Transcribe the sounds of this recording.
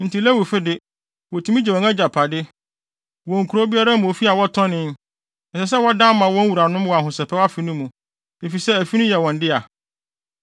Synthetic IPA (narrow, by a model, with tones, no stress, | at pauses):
n̩˨tʰi˨lɛ˦wu˨fɪ˦dɪ˦ | wɔ˨tʰi˨mĩ˦d͡ʑɛ˨ɔ̃˨ŋɛ˦d͡ʑa˨pʰa˨dɪ˦ | wɔ̃˨ŋ̩˨kʰu˨ɾo˦bi˦a˦ɾa˦mũ˨o˨fi˦a˨wɔ˦tʰɔ̃˦nɪ̃˦n | ɛ˨sɛ˨s̬ɛ˦wɔ˦dã˦mːã˨wɔ̃˦n˦wu˨ɾa˨nʊ̃˦mwɔ˨a˨ɦʊ̃˨sɛ˨pʰɛ˦wa˦fi˨nʊ̃˦mũ˨ | e˨fi˨sɛ˦æ˨fi˦nʊ̃˦jɛ˨wɔ̃˨ndɪ˦a˨